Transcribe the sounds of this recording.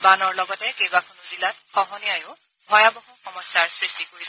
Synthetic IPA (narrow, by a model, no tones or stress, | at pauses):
banɔɹlɔɡɔtɛkejbakʰɔnuzilatxɔɦɔniajʊ | bʱɔjabɔɦɔxɔmɔjsaɹsɹistikoɹis